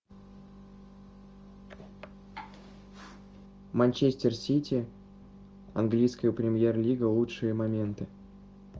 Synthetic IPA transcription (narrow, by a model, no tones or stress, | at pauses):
mɐnʲt͡ɕesʲtʲɪrsʲitʲi | ɐ̰nɡlʲijskəjəpɾʲɪmʲjerlʲiɡəlˠutʂɨjəmɐmʲe̞nt̪ɨ